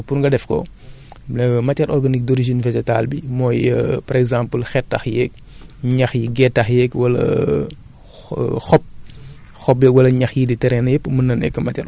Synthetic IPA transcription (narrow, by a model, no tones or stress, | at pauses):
purŋɡɐdɛfkɔ̰ | mɐcːɐɾʔɔɾɡɐnik̚dɔɾiʒinfɛd͡ʒɛtaːlbimɔːjəpɐɾɛɡzãːmpəlxɛtːɐxjɛk̚ | ɲɐxjiɡɛtːɐxjɛkwɐlɐ̰ | xɔp̚ | xɔpjɛwɐlɐɲɐxjiditɛɾɛnjɛpːəmənɐnɛ̰kːɐmɐcːɐɾ